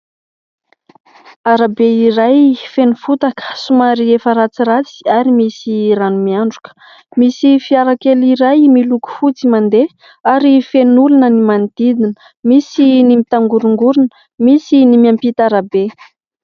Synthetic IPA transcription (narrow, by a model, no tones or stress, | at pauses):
aɾabeiɾajfenufut̪akə̥sumaɾiefəɾat͡sirat͡si̥aɾimisiɾanumiaɳɖ͡ʐukə̥ | misifiaɾakeliɾajmiluku̥fut͡simand̪e | aɾifenulunənimand̪̥id̪inə | misinimit̪aŋɡuɾuŋɡuɾunə̥ | misinimiampit̪aɾabe